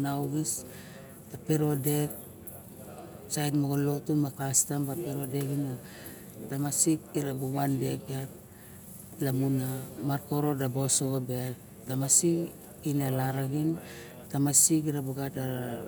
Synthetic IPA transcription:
nawɡis | tape̞ɾo̞de̞k̚ | sajtmoɡolo̞tunmakastambapeɾodekina | tamasikiɾabuwandekiat̚ | lamunamaɾko̞ɾo̞dabosoobe | tamasi | inalaɾaɡin | tamasikiɾabuɡata

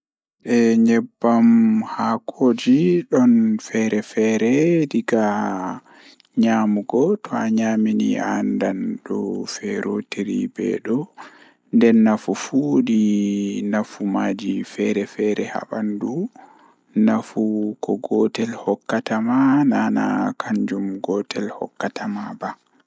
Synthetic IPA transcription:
ɗɛɲɛbːamhakʰoːd͡ʒiɗɔnfɛɾɛfɛɾɛdiɡa | ɲamuɡɔtɔaɲaminḭandanɗɔfɛɾotiɾḭbɛ̰ɗɔ | ndɛnːafufudinafumad͡ʒifɛɾɛfɛɾɛha̰ɓandu | nafukɔɡɔtɛlhɔkːatamanana̰kaɲd͡ʒumɡɔtʰɛlhɔ̰kːatamaba

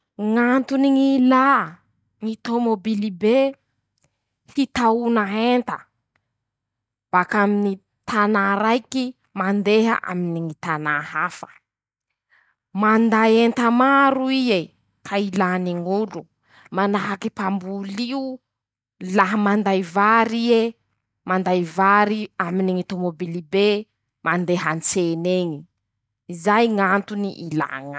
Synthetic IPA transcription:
ŋant̪uniŋila | ŋit̪omobilibe | hit̪aunaɦent̪ə | b̥akamini | t̪anaɾajki | mand̪eɦə̰ʔa̰miniŋit̪anaɦafə̥ | mand̪ajent̪əmaɾuie | kʰailaniŋulu | manaɦakipambuliu | laɦəmand̪ajvaɾie | mand̪ajvaɾiaminiŋit̪omobilibe | mand̪eɦant͡seneŋi | izajŋant̪unḭʔila̰ŋa

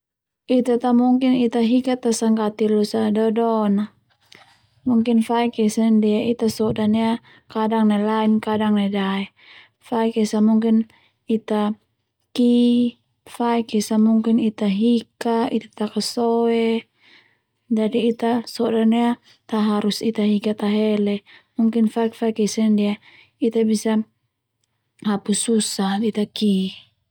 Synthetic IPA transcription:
it̪at̪amuŋkinit̪aɦikat̪asaŋkat̪ilusadɔdɔna | muŋkinfaikɛsandiait̪asɔdania | kadaŋnelainkadaŋnedaɛ | faikisamuŋkin | it̪a | ki | faikisamuŋkinit̪aɦikait̪ḁt̪akasɔɛ | d͡ʒadiːt̪asɔdania | t̪aɦaɾusit̪aɦikat̪aɦɛlɛmuŋkinfaik̚faikisandia | it̪abisa | hapususait̪aki

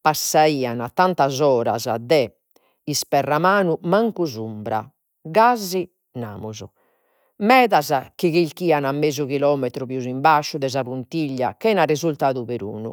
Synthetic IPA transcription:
pasːaiːanat̪ːant̪azɔːɾa̰za̰d̪ɛ | ispɛrːamaːnumaŋkuzumbɾa̰ | ɣazi | na̰ːmuzu | mɛːðazak̟iɣilkiːanamːezuɣilɔːmɛt̪ɾuβjuzimbaʃːuðɛzaβunt̪iʎːa̰kɛnarezult̪aːðuβeɾṵːnṵ

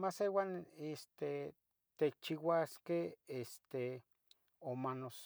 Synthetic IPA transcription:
masewanest̪e | t̪et͡ʃiwaskehest̪e | omanos

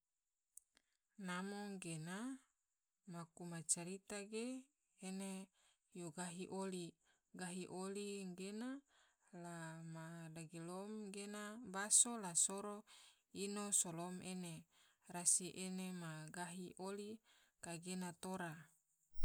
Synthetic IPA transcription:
namoŋɡena | makumat͡ʃaɾit̪aɡeː | ne | joɡaɦiʔoli | ɡaɦiʔoliŋɡena | lamadaɡilomɡenabasolasoɾo | inosolomene | rasiʔenemaɡaɦiʔolikaɡenat̪oɾa

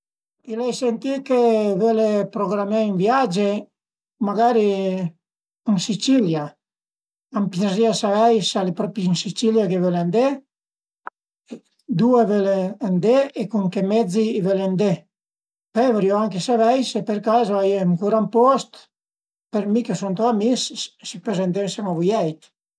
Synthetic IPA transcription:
ilɛjsent̪ikevølepɾoɡɾamaynvjad͡ʒe | maɡaɾi | insit͡ʃilja | ampjeziasavɛjsalepɾɔpinsit͡ʃiljakevøland̪e | d̪uevøland̪eekuŋkemɛd͡ziːvølend̪e | pɛveɾjoaŋkesavɛjsepeɾkazoajeŋkuɾampɔst̪ | peɾmikesunt̪oamisssipøzend̪ensɛmavujɛjt̪

